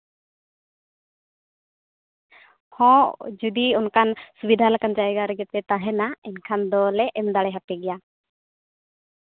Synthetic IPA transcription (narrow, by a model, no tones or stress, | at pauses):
hɔ̃ʔd͡ʒud̪iunkʰansubid̪ʱalakand͡ʒaɛɡaɾɛɡɛt̪ɛt̪aɦɛnaɛnkʰand̪ɔlɛʔɛmd̪aɽɛɦapɛɡɛja